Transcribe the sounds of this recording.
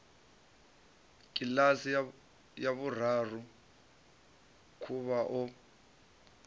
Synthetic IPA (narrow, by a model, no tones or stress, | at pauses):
k̬ʼilasi | jaβurar̤u | kʰuβaʔɔ